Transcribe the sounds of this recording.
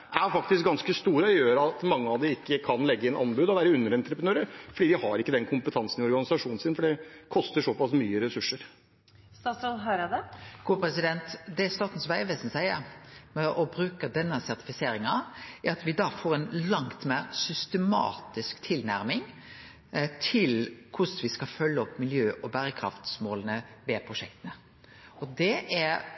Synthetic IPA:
æɾfɑk̚t̪ɪsk̚ɡɑnskəst̪uːɾəɔjøːɾɑt̪mɑŋːəɑʋd̪ɛɪkːəkʰɑnlɛɡːəɪnɑ̰nbʉd̪ɔʋæːɾəʉnːəɾɛnt̪ɾəpɾənøːɾəɾfɔɖiːd̪ɪhɑɾɪkːəd̪ɛnkʰʊmpət̪ʰɑnsn̩ɪɔɾɡɑnɪsɑʂuːnn̩sɪnfɔɖɛkʰɔst̪əʂɔpɑsmyːəɾɛsʉʂːəɾ | st̪ɑːt̪sɾɔnɦøɾəd̪ɛɡ̥uːpʰɾɛsɪd̪ɛnt̪d̪ɛːst̪ɑːt̪n̩sʋæɪʋɛːsn̩sæɪəɾmɛʔɔbɾʉːkəd̪ɛnːəsæɾt̪ɪ̥fɪseːɾɪŋɑæɾɑt̪ʋɪd̪ɑːfoːɾɛnlɑŋt̪meːɾsʏst̪ɛmɑ̰ːt̪ɪskt̪ʰɪlnæɾmɪŋ | t̪ʰɪlkʰʊsʋɪskɑfœlːəɔpːmɪljøːʔɔbæɾəkʰɾɑ̰ft̪smoːlənəʋɛpʰɾʊʂɛkt̪ənə | ɔd̪ɛʔæɾ

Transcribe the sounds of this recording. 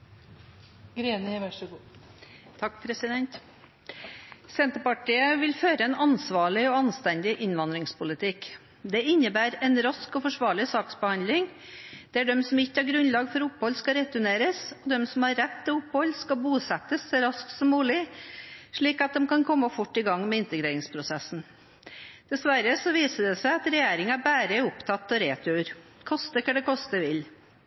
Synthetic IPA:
ɡɾeːnəʋæʂ | t̪ʰɑkːpʰɾɛsɪd̪ɛnt̪ | sɛnt̪əɾpɑʈiːəʋɪlføːɾəɛnʔɑnsʋɑːɭɪɔɑnst̪ænd̪ɪʔɪnʋɑnd̪ɾɪŋspʊlɪt̪ʰɪk | d̪ɛɪnːəbæːɾɛnɾɑskɔfɔʂʋɑːɭɪsɑːksbəhɑnd̪lɪŋ | d̪̥ɛæɖɛmsɔmɪçːəɑɾɡɾʉnlɑːɡfɔɾʊphɔlskɑɾɛt̪ʉneːɾəsɔd̪ɛmsɔmhɑɾɾæt̪ːɪlʊpːhɔlːskɑbuːsæt̪əsːɔɾɑskt̪sɔmːuːlɪ | ʂɭiːkɑt̪̚d̪ɛmkɑnkʰɔmːəfʊʈːɪɡɑŋːmɛɪnt̪əɡɾeːɾɪŋspʰɾʊsæsn̩ | d̪̥ɛsʋæɾəsɔʋiːsəɖ̪ɛsæɪɑt̪ɾɛjeːɾɪŋɑbæːɾəʊpt̪ʰɑt̪ːɔɾeːt̪ʰʉːɾ | kʰɔst̪əkʰɑɖ̪ɛkʰɔst̪əʋɪl

